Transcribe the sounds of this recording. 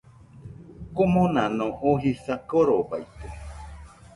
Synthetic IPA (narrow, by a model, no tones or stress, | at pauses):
komõnãnõʔoɦisakoɾoba̰jt̪e